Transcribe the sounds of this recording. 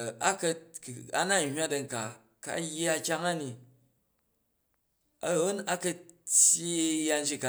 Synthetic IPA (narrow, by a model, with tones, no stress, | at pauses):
a˦kɐ˧˨a̰˦na˦n̩˨hʲwa˦dɐ˨ŋ̩˨ka˨ | ka̰˨˦ja˦kʲa˦ŋa˦ni˨ | a˨o˦na˦kɐ˦tʲji˦ja˦˧n̩˦d͡ʒi˦ka˨